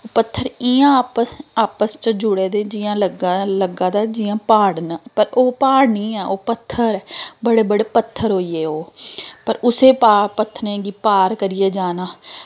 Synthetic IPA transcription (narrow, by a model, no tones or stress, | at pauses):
oːpət̪ʰːəɾɪːãːpəsaːpəst͡ʃəd͡ʒʊɽeːd̪eːd͡ʒɪjãːləɡaləɡãːd̪aːd͡ʒɪjãːpaːɽnapəɾoːpaːɽniːɛːʔoːpət̪ʰːəɾɛbəɽeːbəɽeːpət̪ʰːəɾɦoːiːeːoːpəɾʊseːpaːpət̪ʰːɾẽːɡiːpaːɾkəɾɪjeːd͡ʒaːnaː